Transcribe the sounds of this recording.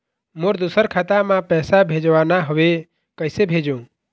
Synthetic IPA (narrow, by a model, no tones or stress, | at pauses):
moɾd̪usəɾkʰat̪amãpɛːsabʱed͡ʒʋaːnaɦəʋe | kəɪsebʱed͡ʒũ